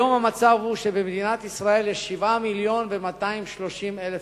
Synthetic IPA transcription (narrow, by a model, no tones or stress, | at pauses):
o̞mhamat͡savhuʃebemd̪inat̪isʁae̞ljeʃivamiljo̞nve̞mat̪aimʃlo̞ʃimelef